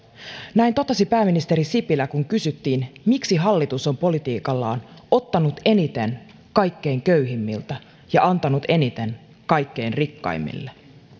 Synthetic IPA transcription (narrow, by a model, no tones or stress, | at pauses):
næint̪o̞t̪ɑsipæːminist̪e̞ɾisipilækuŋkysyt̪ːiːnmiksiɦɑlːit̪uso̞mpo̞lit̪iːkɑlːɑ̰ːno̞t̪ːɑnut̪e̞nit̪e̞n | kɑjkːe̞jŋkøyɦimːḭlt̪æ | jɑʔɑnt̪ɑnut̪e̞nit̪e̞n | kɑjkːe̞jnrikːɑ̰jmːḭlːe